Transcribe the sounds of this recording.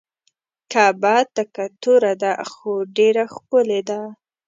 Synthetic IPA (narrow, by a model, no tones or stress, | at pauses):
kabɑt̪akat̪uɾad̪axoɖeɾaxpəled̪a